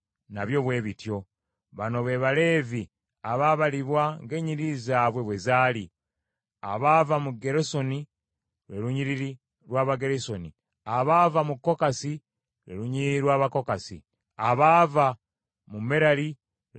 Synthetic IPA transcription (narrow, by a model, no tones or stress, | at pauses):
naβjo̞βwe̞ːβitjo̞ | βano̞βe̞ːβale̞ːvi | aβaβaliβwaŋɡe̞ːɲiɾizaːβwe̞βwe̞zaːli | a̰βaːvamuɡe̞ɾeso̞ni | ɾeɾuɲiɾiɾi | ɾwaːβaɡe̞ɾesoni | aβaːvamukːo̞kasi | ɾḛɾuɲiiiɾwaːβako̞kasḭ | aβaːva | mumeɾali